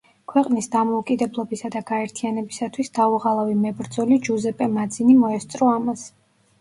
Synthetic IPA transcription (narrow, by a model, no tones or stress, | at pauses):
kʰwɛqʼnisd̪amɔukʼid̪ɛblˠɔbisad̪aɡaɛɾt̪ʰianɛbisat̪ʰwisd̪auʁalˠavimɛbɾd̪zɔlid͡ʒuzɛpʼɛmad̪zinimɔɛst̪sʼɾɔamas